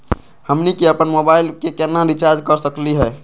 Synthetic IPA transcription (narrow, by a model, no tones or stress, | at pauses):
həmnikeəpənmobailkekenːaɾit͡ʃaɾd͡ʒkəɾsəkliɦɛ